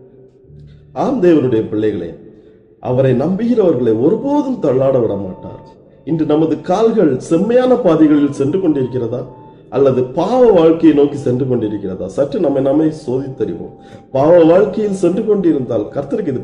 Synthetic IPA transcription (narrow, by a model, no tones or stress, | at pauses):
aːmd̪eːʋɐnɯɽɐjɐpɪɭːɐɪɣɐɭḛː | ʔɐ̰ʋɐɾɐɪnɐmbɪɣɪrɐʋɐɾɣɐɭɐɪɔɾɯpoːðɯmt̪ɐɭːaːɽɐʋɪɽɐmaːʈːa̰ːɾ | ɪndrɯnɐmɐðɯkaːlɣɐɭsɛmːɐjaːnɐpaːðɪɣɐɭɪlsɛndrɯkɔɳɖɪɾɯk̬ːɪrɐðaː | ʔɐlːɐðɯpaːʋɐʋaːɻkɐjɐnoːkisɛndrɯkɔɳɖɪɾɯkːɪrɐða̰ːsɐʈrɯnɐmːɐɪnɐmːɐɪsoːðɪt̪ːɐɾɪ̰ʋo̰ːm | paːʋɐʋaːɻkɐjɪlsɛndrɯkɔɳɖɪɾɯnd̪aːlkɐɾt̪ːɐɾɯkːɪðɯ